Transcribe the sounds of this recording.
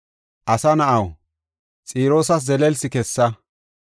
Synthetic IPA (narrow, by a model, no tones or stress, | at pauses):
ʔɐsɐnɐʔɐw | t͡sʼiːɾo̞ːs̬ɐs̬zɛlɛlsɪkɛsːɐ